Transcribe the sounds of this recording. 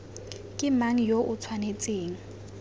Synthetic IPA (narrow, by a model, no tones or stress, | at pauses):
kʼɪmaŋ̩joʔʊt͡sʰwanet͡sʼeːŋ̩